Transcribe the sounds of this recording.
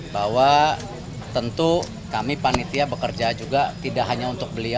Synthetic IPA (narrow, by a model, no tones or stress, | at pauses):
bawa | t̪ənt̪u | kamipanit̪iabəkərd͡ʒad͡ʒuɡat̪idaʔɦaɲaunt̪ʊk̚bəlia